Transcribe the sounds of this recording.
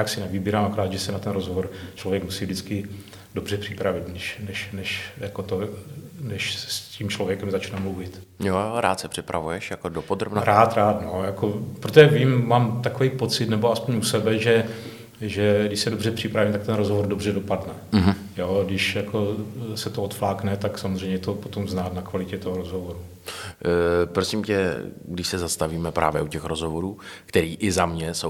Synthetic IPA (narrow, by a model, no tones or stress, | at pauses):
jaksɪnɛviːbiːɾamakoɾaːd̪ʒɛsɛnat̪ɛnɾozɦovoɾt͡ʃlo̞vjɛkmusiːvdɪt͡skɪ | do̞br̝ɛpr̝̥ɪpɾavɪt̪nɛʃnɛʃnɛʃjakot̪onɛʃssciːmt͡ʃlovjɛkɛmzat͡ʃnɛmluvɪt̪ | jojoɾa̰ːt̪sɛpr̥ɪpɾa̰vujɛʃjakodopod̪ɾobnɾaːt̪ɾaːt̪nojakopɾot̪oʒɛviːmːaːmt̪akovɛjpo̞t͡sɪt̪nɛboaspoɲusɛbɛʒɛ | ʒɛɡdɪʃsɛdo̞br̝ɛpr̥ɪpɾaviːmt̪ak̚t̪ɛnɾozɦovoɾdobr̝ɛdo̞padnɛɦ̩ | joːɡdɪʃjako̞sɛt̪oot̪flaːknɛt̪aksamozr̝ɛjɲɛt̪o̞pot̪o̞mznaːt̪nakvalɪcɛt̪oɦo̞ɾozɦo̞voɾu | pɾosimcɛɡdɪʃsɛzast̪aviːmɛpɾʔa̰ːvjɛ̰ʔucɛxɾozɦovoɾuːkt̪ɛɾiːʔɪzamɲɛso